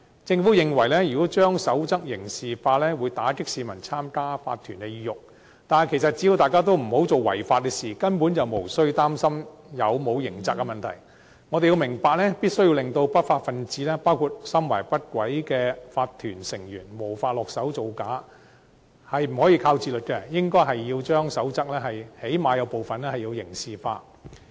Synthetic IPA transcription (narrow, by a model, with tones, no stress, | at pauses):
t͡sɪ˧ŋfuː˨˥jɪ˨ŋwɐ˨˩jlɛː˥jyː˨˩kɔ˨˥t͡ʃœː˥ŋsɐ˨˥wt͡sɐ˥k̚jɪ˨˩ŋsiː˨faː˧lɛː˥wuː˨˧jt̪aː˨˥kɪ˥k̚siː˨˧mɐ˨˩nt͡sʰaː˥mkaː˥fa̰ː˧t̪ʰːyː˨˩nkɛ˧jiː˧jʊ˨k̚ | t̪aː˨n˨kʰe˨˩sɐ˨t̚t͡si˨˥ji˧wt̪aː˨jkaː˥t̪o˥wm̩˨˩ho˨˥wt͡so˨˧wwɐ̰˨˩jfaː˧t̚kɛ˧siː˨kɐ˥npuː˨˥nt͡sɐ˨wmo˨˩wsɵ˥ɥt̪aː˥msɐ˥mjɐ˨˧wmo˨˧wjɪ˨˩ŋt͡sa˨k̚ːɐ˧mɐ˨nt̪ʰɐ̰˨˩j | ŋɔː˨˧d̪e˨ji˧wmɪ˨˩ŋpaː˨k̚lɛ˥piː˥t̚sɵ˥ji˧wlɪ˨ŋt̪o˧wpɐ˥t̚faː˧t̚fɐ˨nt͡siː˨˥lɛː˥paː˥wkʰu˨t̚sɐ˥mwɐ̰˨˩jpɐ˥t̚kʷɐ˨˥jkɛː˧faː˧tt̪ʰːyː˨˩nsɪ˨˩ŋjy̰ː˨˩nmo˨˩wfaː˧t̚lɔː˨k̚sɐ˨˥wt͡so˨wkaː˨˥ | hɐ˨jm̩˨˩hɔː˨˥jiː˧kʰaː˧wt͡siː˧˩lɵ˨t̚kɛ˧jɪ˥ŋkɔː˥jɦɐ˨jːiː˧wt͡ʃœː˥ŋsɐ˨˥wt͡sɐ˥k̚lɛː˥hɐ˨jhe˨˥jmaː˨˧jɐ˨˧wpo˨wfɐ˨nɛ˥hɐ˨jiː˧wjɪ˨˩ŋsiː˨fa̰ː˧t̚